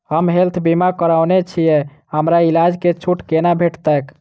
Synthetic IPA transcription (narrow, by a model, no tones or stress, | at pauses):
həmɦelt̪ʰbimakəɾaʊnet͡ʃʰijɛ | həmɾailad͡ʒket͡ʃʰuʈkenabʱeʈt̪ək